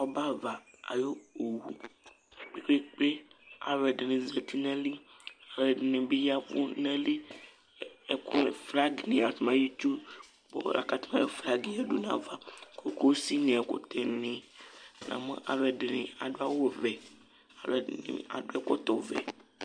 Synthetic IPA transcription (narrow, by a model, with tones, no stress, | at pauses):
ɔ˦ba˦va˨a̰˨jo˦o˨wu˦ | k͡pe˦k͡pe˦k͡pe˦a˨lɛ˨ɖe˨nẽ˨ze˨t̪ʰi˦nã˦li˦ | a˨lo˨ɛ˨ɖe˨nẽ˨be˦ja˦k͡pṵ˦nɛ̃˦li˦ | e˨ku˦e˨fɾa˦ɡnĩ˨a˨t̪mã˦ji˦t͡ʃu˦ | bo̰˨la̰˨ka˨t̪mã˦je˨fɾa˦ɡi˦a˨ɖu˦nã̰˨va˦kʰo˦ko˦si˦nẽ˨a˨ko̰˨t̪ɛ˨nẽ˨nã̰˨mẽ˦ʔa̰˨lo˦ɛ˨ɖe˨nḛ̃˨a̰˨ɖo˦a˦wo˦vɛ˨ | a˨lɛ˨nḭ̃˨a̰˨ɖo˦ɛ˦kɔ˦t̪ɔ˨vɛ̰˨